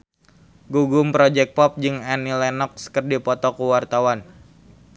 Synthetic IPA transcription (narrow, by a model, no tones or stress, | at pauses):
ɡuɡumpɾɔd͡ʒɛk̚pɔp̚d͡ʒɨŋanilɛnɔk̚skərdipɔt̪ɔkuwart̪awan